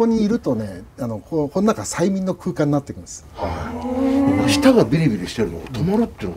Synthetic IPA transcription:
o̞ɲ̟iːɾɯ̟t̪o̞ne̞ano̞kʰoko̞nonakasaimʲĩnːokʰɯ̟ːkãɲ̟inat̪ːe̞kɯ̟̃nesɨha | emaɕi̥t̪aɡabʲiɾʲibʲiɾʲiɕi̥t̪e̞ɾɯnoot̪omaɾɯt̪ːeno

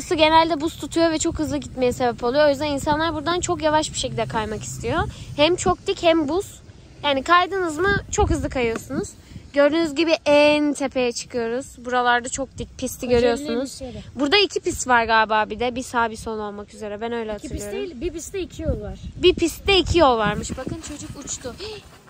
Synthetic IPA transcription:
ɯsɯɟe̞nælʲd̪ɛbust̪ʰut̪ʰujo̞vɛt͡ʃʰo̞khɯzlˠɯɟit̪me̞jɛse̞bɛpʰo̞lˠujoojyzd̪ɛninsanlˠaɾbuɾd̪ant͡ʃʰo̞kjavaʃbi̥ʃecilʲd̪ɛkʰajmaki̥st̪ʰijo̞hæmt͡ʃʰo̞k̚d̪ichɛmbus | jaːnikʰajd̪ɯnɯzmɯt͡ʃʰo̞kɦɯzlˠɯkʰajɯjo̞sunuz | ɟø̞ɾd̪ynyzɟibiʔɛnt̪ʰe̞pʰe̞jɛt͡ʃʰɯ̥kʰɯjo̞ɾuz̥buɾalˠaɾd̪at͡ʃʰo̞k̚d̪ic̚pʰist̪ʰiɟø̞ɾyjo̞ɾsunuzbuɾd̪aicʰipist̪vaɾɡaːbaːbid̪ɛbisaːbiso̞no̞lˠmakyze̞ɾɛbænø̞jlʲɛhatɯljoɾiiscʰijolˠaɾbipʰist̪d̪ɛicʰijo̞lˠvaɾmɯʃbakɯnt͡ʃʰo̞d͡ʒukut͡ʃt̪ʰʊ

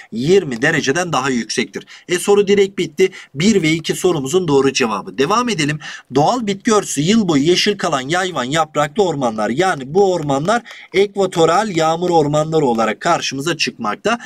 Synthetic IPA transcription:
jiɾmid̪e̞ɾe̞d͡ʒe̞d̪ænd̪aɦajycsɛc̚t̪ʰiɾ̥ɛso̞ɾud̪iɾɛc̚bit̪ʰːɪbiɾvɛicʰiso̞ɾumuzund̪o̞ːɾud͡ʒe̞va̰bɯd̪e̞vaːme̞d̪e̞lʲimd̪o̞alˠbit̪̚cøɾsyjɯlˠbo̞jujeʃilʲkʰalˠanjajvanjapɾaklˠɯo̞ɾmanlˠa̰ɾjaːnibuoɾmanlˠaɾɛkvat̪ʰo̞ɾalʲjaːmɯɾo̞ɾmanlˠaɾɯo̞lˠaɾakʰːaɾʃɯmɯzat͡ʃʰɯkma̰k̚t̪ʰa

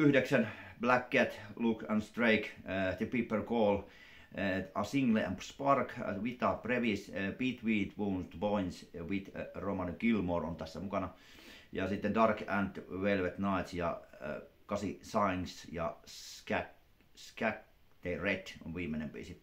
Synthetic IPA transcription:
yhdeksænblækːet̪lukæ̃nst̪reikt̪ipipːərkoːl | ɑsiŋɡleæ̰mpspɑrkʋit̪ɑpreʋispiːt̪ʋiːt̪ʋuːnst̪boinsʋit̪romɑnikilmoro̰nt̪æsːæmukɑnɑ | jɑsit̪ːendɑrkænt̪ʋelʋet̪nɑit̪sjɑ̰ | kɑsisɑinsjɑ̰skæk | skæk | d̪̥eret̪o̰nʋiːmːenempḭːsi

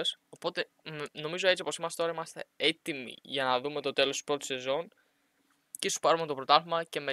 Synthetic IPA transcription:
so̞po̞t̪e̞ | no̞mizo̞e̞t͡sipo̞simɐst̪et̪o̞ɾɐimɐst̪e̞et̪imḭʝɐnɐðume̞t̪o̞t̪e̞lo̞st̪u̥pɾo̞t̪u̥se̞zo̞n | cesu̥pɐɾumet̪o̞pɾo̞t̪ɐlmɐce̞me̞

